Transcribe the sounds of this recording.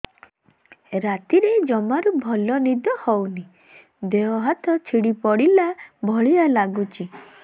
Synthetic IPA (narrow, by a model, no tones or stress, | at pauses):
ɾat̪iɾed͡ʒɔmaɾubʱɔlɔnid̪ɔhɔwni | d̪eɔɦat̪ɔt͡ʃʰiɽipɔɽilabʱɔɭialaɡut͡ʃʰi